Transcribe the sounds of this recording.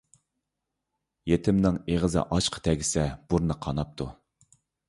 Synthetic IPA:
jet̪ʰɪmnɪŋeʁəzɨ̰ʔɑʃqʰə̥t̪ʰɛɡʲisɛb̥uɾnɨqʰɑnɑp̚t̪ʰu

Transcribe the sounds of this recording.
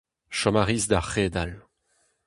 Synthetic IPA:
ʃɔmaʁizd̪aχeːd̪al

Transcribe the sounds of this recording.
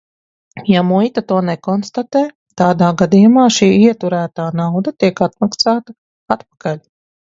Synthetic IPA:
jamujt̪at̪uɔnɛkɔnst̪at̪eː | t̪aːd̪aːɡad̪iːjumaːʃiːiɛt̪uɾæːt̪aːnawd̪ɐt̪iɛkat̪̚maksaːt̪a | at̪pḁkalʲ

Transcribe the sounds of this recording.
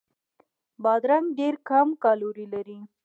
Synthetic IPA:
bɑd̪ɾaŋɡɖeɾkamkɑloɾilaɾi

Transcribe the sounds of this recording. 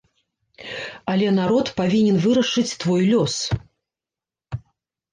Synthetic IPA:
ɐlʲɛnaɾɔt̪pavʲinʲɛnvɨɾɐʂɨt͡sʲt̪vɔjlʲɔs

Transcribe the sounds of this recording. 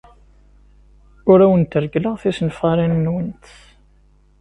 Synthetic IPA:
ʊɾæwənt̪əɾɡləʁθisənfʁaɾinːwənt̪

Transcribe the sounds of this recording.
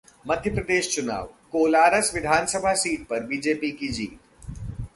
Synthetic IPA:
mɐd̪ʱjəpɾɐd̪eːʃt͡ʃʊna̰ːʋkoːlaːɾəsʋɪd̪ʱaːnsəbʱasiːʈ̚pɐɾbiːd͡ʒeːpikid͡ʒiːt̪

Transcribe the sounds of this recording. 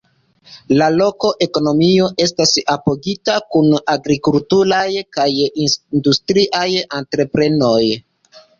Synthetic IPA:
lalo̞ko̞ʔe̞ko̞no̞mio̞ʔe̞stasapo̞ɡitakunaɡɾikultuɾajkajinndustɾiʔajantɾe̞pɾe̞no̞j

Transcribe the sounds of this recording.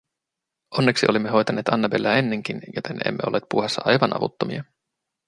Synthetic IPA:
ʔo̞nːeksiʔo̞limːeɦo̞jt̪ɑneːt̪ɑnːɑbe̞lːæːe̞nːe̞ŋk̟injot̪ʰene̞̰mːeo̞lːeːt̪̚puɦesːɑɑjʋɑnʔɑ̰ʋṵt̪ːomḭɑ

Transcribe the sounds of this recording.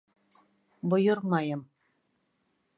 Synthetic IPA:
bŏjɤ̆ɾmɑjɤ̆m

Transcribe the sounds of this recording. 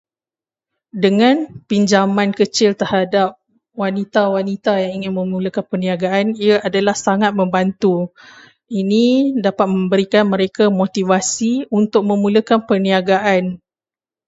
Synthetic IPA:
dəŋãnpiɲd͡ʒamãnkət͡ʃɪlt̪ərhadap̚ | wanit̪awanit̪ajaŋiŋɪnmə̃muləkanpərniaɡaʔaniaʔadalahsaŋat̪̚mə̃mbant̪u | inidapat̪̚mə̃mbəɾikanmə̃ɾekamot̪ivasiunt̪ʊk̚mə̃mũləkanpərniaɡaʔan

